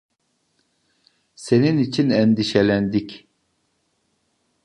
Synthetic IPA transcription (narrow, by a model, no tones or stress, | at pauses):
se̞ninit͡ʃʰinɛnd̪iʃelʲænd̪ic